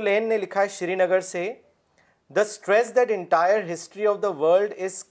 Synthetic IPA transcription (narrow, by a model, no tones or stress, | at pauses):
leːnːelɪkʰaːeʃɾiːnəɡəɾse | d̪əsʈɾɛsd̪æʈɪ̃ɳʈajəɾɦɪsʈɾiɔʋd̪əʋəːɾlɖɪz